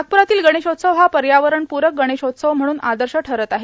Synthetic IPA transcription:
ak̚puɾat̪iːlɡəɽ̃eɕot̪səʋɦapəɾjaʋəɾəɳpuɾək̚ɡəɽ̃eɕot̪səʋm̤əɽ̃uːnad̪əɾɕəʈʰəɾət̪aɦe

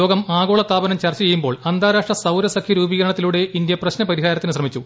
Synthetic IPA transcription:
oːɡɐmaːɡo̞ːɭɐst̪ːaːbɐnɐmt͡ɕɐrt͡ɕːɐjejumbo̞ːɭɐnd̪aːɾaːʂʈrɐsɐwɾɐsɐkʰːiɾuːbiɡɐɾɐɳɐt̪ːiluɽe̞ʔind̪jɐprɐɕnɐpɐɾiɦaːɾɐt̪ːinɨs̬rɐmit͡ɕːu

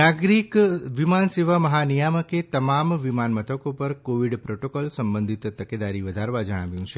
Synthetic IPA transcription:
aɡɾikʋimanseʋaməɦanijaməket̪əmamʋimanmət̪ʰəkopəɾkoʋiɖpɾoʈokɔlsəmbənd̪ʱit̪t̪əked̪aɾiʋəd̪ʱaɾʋad͡ʒəɽ̃a̰ʋjũt͡ʃʰe

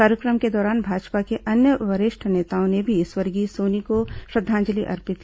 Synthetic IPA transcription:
kaːɾjəkɾəmked̪ɔːɾaːnbʱaːd͡ʒpakeɐnjəʋɐɾɪʃʈʰəneːt̪aːõnebʱiɪswɐɾɡisoːnikoʃɾɐd̪ʱːãːnd͡ʒəliʔɐ̰ɾpɪt̪

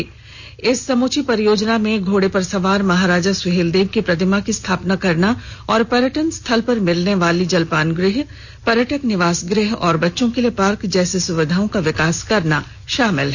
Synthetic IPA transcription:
ɪsːɐmoːt͡ʃipɐɾjoːd͡ʒnamẽɡʱoːɽepɐɾsɐʋaːɾmɐɦaːɾaːd͡ʒasʊɦeːld̪eːʋkipɾɐt̪ʰɪmakist̪ʰaːpnakɐɾnaɔːɾpɐɾjəʈənst̪ʰɐlpɐɾmɪlneʋaːlid͡ʒɐlpaːnɡɾɪɦ | pɐɾjəʈəknɪʋaːsɡɾɪɦɔːɾbɐtːʃõkelijepaːɾkd͡ʒɛːsesʊʋɪd̪ʱaːõkaʋɪkaːskɐɾna | ʃaːmɪlɦ

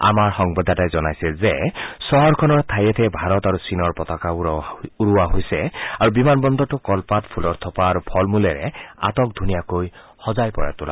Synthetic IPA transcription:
a̰maɹxɔŋbɔd̪ʱːatajzɔnajsɛzɛsɔɦɔɹkʰɔnɔɹt̪ʰajɛt̪ʰɛbʱaɹɔtaɹusinɔɹpɔt̪akauɹuwaɦojsɛaɹubimanbɔnd̪ɔtʊkɔlpatpʰulɔɹt̪ʰɔpaːɹupʰɔlmulɛɹɛ̰a̰tɔk̚d̪ʱunijakoj | hɔzajpɔɹa̰tʊla̰

